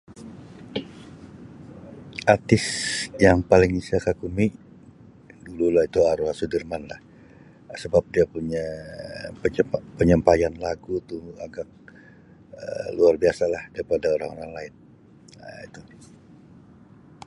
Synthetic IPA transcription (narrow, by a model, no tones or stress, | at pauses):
art̪ɪsjaŋpalɪŋisakakumiʔ | dululahit̪uaɾoɦasudərmanlah | səbap̚diapuɲa | pəɲəmpajanlaɡut̪ua̰ɡak̚ | ə̰luarbiasalahdaɾipadaoɾa̰ŋoɾaŋlaɪn | it̪u